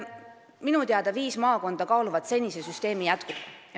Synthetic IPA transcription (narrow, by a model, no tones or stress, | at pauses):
minut̪eɑd̪̥ɑviːsmɑːko̞nd̪̥ɑkɑːluvɑt̪se̞nʲise̞syst̪e̞ːmijæt̪kub̥